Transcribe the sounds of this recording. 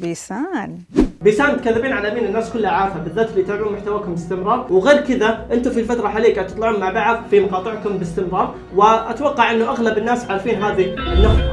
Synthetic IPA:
biːsaːn | biːsaːnmʊt̪kalːɪbiːnʕalʔamiːnɪnːaːskʊlːhaʕaːfabɪðːaːt̪lːiːt̪aʕluːnmʊħt̪awaːkʊmbɪst̪ɪmɾˤɑːɾˤwɣeːɾkɪðaʔɪnt̪ʊfilfat̪ɾˤɑħaliːkat̪ɨ̥t̪ˤlɪʕuːnmaʕbaʕðfimɑqɑːt̪ˤɪʕkʊmbɪst̪ɪmɾɑːɾˤ | wɪʔat̪wɑqːɑʕʔɪnːʊʔaɣlabɪnːaːsʕaːɾfiːnɦaːðinːʊxa

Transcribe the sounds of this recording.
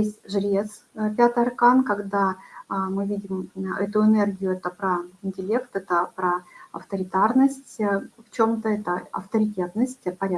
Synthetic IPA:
esʲtʲʐlʲe̞s | pʲat̪ɨjɐrkankɐɡd̪amɨvʲidʲɪmɛt̪ʊɪnɛrɡʲɪjʊɛt̪əpɾəɪnʲtʲɪlʲe̞kt̪ɛt̪əpɾəɐ̰ft̪əɾʲɪt̪arnəsʲtʲft͡ɕomt̪əɛt̪əɐ̰ft̪əɾʲɪtʲe̞t̪nəsʲtʲpɐɾʲa

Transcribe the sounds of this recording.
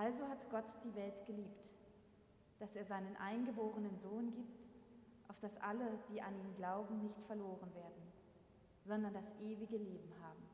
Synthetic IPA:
ʔalzoɦatɡ̥ɔtd̥iːvɛltɡ̥əliːpt | d̥aseːɐzaɪnənʔa̰ɪnɡəboːʁ̞ənənzoːnɡiːp̚t | ʔaʊfd̥asʔa̰ləd̥iːʔaniːmɡlaʊbm̩nɪçtfɛɐloːʁənveːɐdn̩ | z̥ɔndɐndasʔeːviɡəleːbm̩ɦaːbm̩

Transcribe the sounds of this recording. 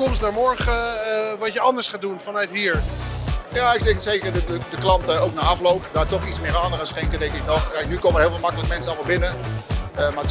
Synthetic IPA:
kɔmsnaːɹmɔɹχəʋɑtjəɑndəɹsχaːdunfɑnœɥtɦiːɹ | jaːɪksɛkətsejkəɹdədədəklɑntəowk̚naːɑflowpdaːtɔχitsmɪːraːnərəsχeŋkədɛŋkɪk̚nɔχkɛjknykowmənɦɪːlˠvɪlmɑkələkmɛnsəɑlˠmalˠbɪnə | əmaː

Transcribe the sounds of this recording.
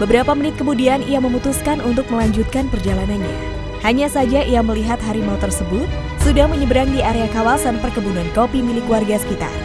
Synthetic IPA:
bəbəɾapamənɪt̪̚kəmudianijaməmut̪uskanunt̪ʊk̚məlaɲd͡ʒut̪̚kanpərd͡ʒalananɲa̰ | haɲasad͡ʒaʔijaməliɦat̪ɦaɾimawt̪ərsəbʊt̪̚ | sudahməɲəbəɾaŋdiaɾeakawalsanpərkəbunankopimilɪkwarɡasə̥kit̪a̰r

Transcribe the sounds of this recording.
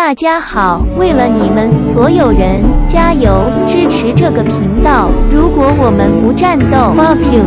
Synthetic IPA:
t̪at͡ɕjaxɑʊweɪlənimənswɔjoʊɻənt͡ɕjajoʊ | ʈ͡ʂɻ̩ʈ͡ʂʰɻ̩ʈ͡ʂɤɡəpʰiŋt̪ɑʊɻukwɔwɔmənpuʈ͡ʂant̪oʊpɑʊpʰi

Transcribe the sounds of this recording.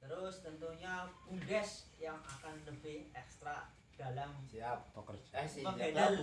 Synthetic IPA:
t̪əɾʊst̪ənt̪uɲakuŋɡɛsjaŋakanləbɪhɛkst̪ɾa | d̥alamsiap̚pokərəkedal

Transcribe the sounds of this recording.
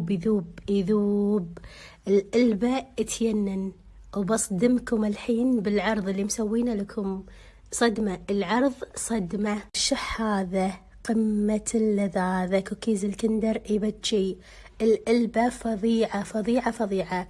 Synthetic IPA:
bɪðuːbiðuːb | ʔɪlʔɪlbaʔət̪janːan | wbɑsˤd̪ɪmkʊmɪlħiːnbɪlʕɑɾˤðˤɪlːimsawːiːnalakʰʊm | sˤɑd̪maəlʕɑɾˤðˤsˤɑd̪maʃɪħhaːða | qɪmːalːaðaːðakukiːzɪlkɪnd̪ɑɾˤʔibat͡ʃːi | ɪlʔɪlbafɑðˤiːʕafɑðˤiːʕafɑðˤiːʕa

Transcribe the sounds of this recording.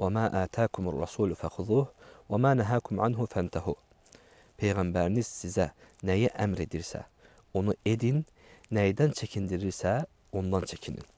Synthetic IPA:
wamaːʔaːt̪ʰaːkʰʊmarˤːɑ̰suːlfæxʊðuːhwæmaːnæɦaːkʰumʕanɦʊfænt̪ʰahuː | pʰejɣæmbæɾiniz̥sizænæjæʔæmɾe̞d̪iɾsæ̰ | onued̪inː | æjd̪ænt͡ʃʰæcʰind̪iɾiɾsæ | ond̪ɑnt͡ʃʰecʰinḭn

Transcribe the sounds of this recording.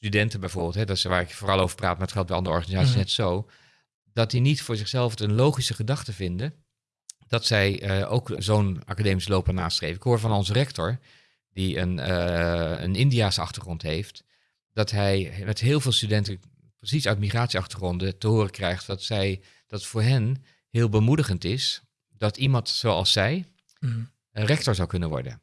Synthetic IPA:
stydɛntəbɛjvʊːɹbɪːlˠtɦɛdɔsʋaːɾɪkfoːrɑlˠowvəɹpraːt̚maətχɛl̚ˠbɛjɑndərəɔ̰ɹχanizaːt͡ssisnɛtsow | dɑt̚dinitfʊːɹzɪχsɛlˠftənlowχisəχədɑχtəvɪndə | d̥ɑtsɛjəʔo̰wkzowna̰kadeːmisəloːpənaːstrḛjfəɪkɦoːɹvɑnɔnzərɛktɔɹ | diə̰nəə̰nɪndiaːsəɑ̰χtəχrɔntɦejft | d̥ɑtɦɛjmɛtɦɪːlˠveːlˠstydɛntə | prəsisœɥtmiχraːtsiɑχtəχrɔndətəɦʊːrəkrɛjχttsɛj | d̥ɑtfʊːɹɦɛn | hɪːlˠbəmudəχəntɪs | d̥ɑtimɑntsoɑ̰lˠsɛj | rɛk̚tɔɹzɑwkɵnənʋɔ̰ɹdə̰n

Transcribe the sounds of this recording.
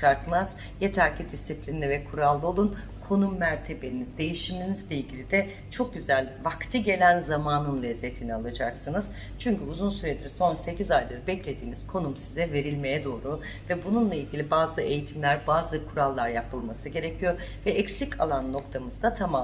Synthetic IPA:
aɾkɯmaz | je̞t̪ʰæɾcid̪isiplʲinːʲɛvɛkʰuɾalˠːɯo̞lˠun | kʰo̞numːæɾt̪ʰe̞be̞inizd̪e̞jiʃiminizlʲeilʲɟilʲid̪ɛ | t͡ʃʰo̞k̚ɟyzælʲvakt̪ʰɯɟe̞lʲænzamaːnɯnlʲɛzːet̪ʰinialˠad͡ʒaksɯnɯz | t͡ʃʰyɲcyuzunsyɾed̪iɾso̞nse̞cʰizajlˠɯɾɯbɛclʲe̞d̪iːniz̥kʰo̞numsizɛve̞ɾilʲme̞jɛd̪o̞ːɾu | vɛbununlˠailʲɟʲilʲibaːzɯe̞jit̪ʰimlʲæɾbaːzɯkʰuɾalˠːaɾjapʰɯlˠmasɯɟe̞ɾecʰijo̞ɾ | vɛɛcsicʰalˠanːo̞kt̪ʰamɯzd̪at̪ʰama

